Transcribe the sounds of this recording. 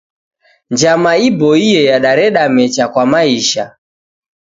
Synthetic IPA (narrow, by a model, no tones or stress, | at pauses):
nd͡ʒamaibɔijɛjaɗaɾɛɗamɛt͡ʃakwamaiʃa